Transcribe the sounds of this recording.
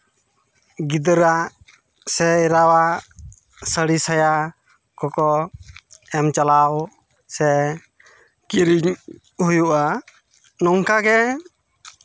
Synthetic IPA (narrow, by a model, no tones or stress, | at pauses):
ɡid̪əɾaʔ | sɛɛɾawa | səɽisaja | kɔkɔ | ɛmt͡ʃalaw | sɛ | kiɾiɲ | hujuʔa | nɔŋkaɡɛ